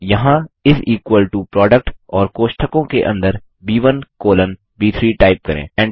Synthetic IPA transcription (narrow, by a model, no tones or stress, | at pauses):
jɐɦãɪsiːkwəlʈupɾɔːɖək̚ʈɔːɾkoːʃʈʰəkõkeʔɐ̰̃nd̪əɾ | biːʋənkoːlən | biːt̪ʰɾiːʈaːɪp̚kɐɾḛ̃ːɛ̃ːɳɖ